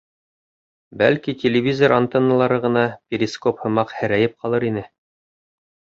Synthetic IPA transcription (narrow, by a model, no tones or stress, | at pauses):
bælkitʲɪlʲɪvʲizoɾant̪ɤnːə̆lˠɑɾɤʁɤ̆nɑpʲɪɾʲɪskophɤ̆mɑqhɘ̆ɾæjɘp̚qɑlˠɤɾinɘ